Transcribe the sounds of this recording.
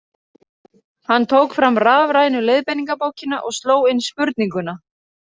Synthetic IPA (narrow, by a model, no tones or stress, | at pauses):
hanːt̪ʰoːwkfɾamraːvɾajnʏlejðpɛniŋkapowcɪnaʔɔɣst̪loːwɪnːspʏɾt̪niŋkʏna